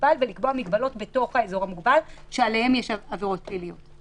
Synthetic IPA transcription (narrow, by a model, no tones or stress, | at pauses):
balvelikbo̞amiɡbalo̞tbe̞to̞χhaezo̞ʁamuɡbalʃealehemjeʃaaveʁo̞t̚pelijot